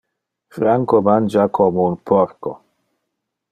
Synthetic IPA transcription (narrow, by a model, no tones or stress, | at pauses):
fɾaŋkomand͡ʒakʰomounpʰɔɾkɔ̰